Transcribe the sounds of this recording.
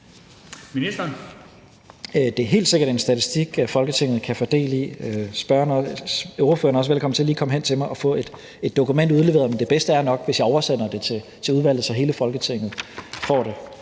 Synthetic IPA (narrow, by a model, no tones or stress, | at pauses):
minisd̥ɐn | d̥e̝æɐɦe̝̰ːld̥se̝ɡ̥ɐɾ̥e̝nsd̥æt͡sʰisd̥iɡ̥æfɒ̽lɡ̥ət͡sʰe̝ŋ̰ð̩ˠkʰæfɒd̥e̝̰ːlḭsb̥ɶɐnøʊʁofø̰ɐnɒsəʋelkʰɒ̽m̰nt͡sʰe̝æliːkʰɒ̽məɦen̰t͡sʰe̝mɑ̈ɪɒ̽fɔ̰̽ːe̝d̥ | e̝d̥ːo̝kumen̰d̥uðˠle̝ʋe̝ɐðˠmend̥e̝b̥esd̥əæɐnɒ̽ɡ̥ʋesjɑ̈ɪɒʊɐsen̰ɐd̥e̝t͡sʰe̝t͡sʰe̝uðˠʋæl̰ð̩ˠsɒ̽ɦe̝ːləfɒ̽lɡ̥ət͡sʰe̝ŋ̰ð̩ˠfɒ̰ɾ̥e̝